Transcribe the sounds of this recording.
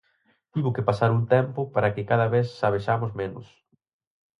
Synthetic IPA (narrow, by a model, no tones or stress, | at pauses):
t̪iβʊkepasaɾunt̪ɛmpʊpaɾɐkɪkaðɐβeθːaβ̞eʃamʊzmenʊ̰s